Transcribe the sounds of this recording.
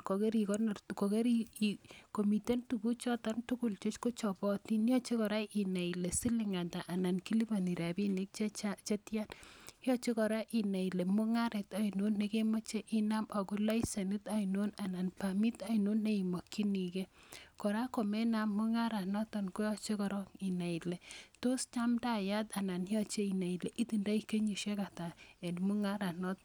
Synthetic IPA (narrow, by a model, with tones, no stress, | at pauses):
ko˨ke˦ɾi˨kɔ˦nko˨ke˦ɾi˦iko˨mi˨te˦ntu˨bu˦t͡ʃɔ˦ta˦ntu˦ku˨lt͡ʃo˦t͡ʃko˦t͡ʃɔ˨bɔ˦ti˦n˦ɔ˦t͡ʃe˦kɔ˨ɾa˦ʔi˨na˨i˨le˨si˦li˨ŋa˨nda˨ʔa˨na˨nki˦li˦ba˨ni˨ɾa˨bi˦ni˦k̚t͡ʃt͡ʃa˦t͡ʃe˦tja˦njɔ˦t͡ʃe˦kɔ˨ɾa˦ʔi˨na˨i˨le˨mu˦ŋa˦ɾɛ˨ta˨ino˦nːe˨ke˦mɔ˦t͡ʃe˦ʔi˦na˦ma˨ku˦la˦i˦se˨nɪ˦ta˨ino˦na˨na˨npa˨mi˦ta˦i˨no˦nːe˦i˨mo˨kːi˦ni˨ke˦kɔ˨ɾa˦ko˨mɛ˦na˨mːu˦ŋa˦ɾa˨nɔ˦tɔ˨nko˦jɔ˦t͡ʃe˦kɔ˨ɾɔ˦ki˨na˨i˨le˨to˦st͡ʃa˦mda˦˨ja˦ta˨na˨njɔ˦t͡ʃe˦i˨na˨i˨le˨ʔi˦ti˨nda˦i˦ke˦ɲu˨ʃe˦ka˨ta˨e˨nmu˦ŋa˦ɾa˨nɔ˦t̚